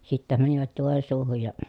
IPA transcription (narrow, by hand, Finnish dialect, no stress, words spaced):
sitːæ mæniʋæt joˑensuːhuj jɑ